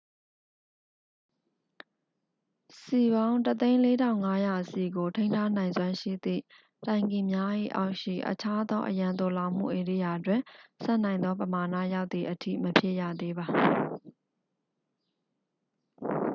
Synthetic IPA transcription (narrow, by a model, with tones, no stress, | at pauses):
si˨bã˦ʊ̃tət̪ẽ˦ɪ̃le˦tʰã˦˨ʊ̃ŋa˦ja˨si˨ɡo˨tʰẽ˦ɪ̃ntʰa˦nã˨ɪ̃nzwã˦ʃḭ˦˨d̪ḭ˦˨ | tã˨ɪ̃ŋɡi˨mja˦ʔḭ˦˨ʔa˦ʊʔʃḭ˦˨ʔə̰t͡ɕʰa˦d̪ɔ˦ʔə̰jã˨nt̪o˨la˨ʊ̃m̥ṵ˦˨ʔe˨ɾḭ˦˨ja˨twɪ̃˨sɛ̰̃˦ʔnã˨ɪ̃nd̪ðɔ˦pəma˨na̰˦˨ja˦ʊt̪̚ði˨ʔətʰḭ˦˨məpʰje˦ʔjä̰˦˨d̪e˦ba˨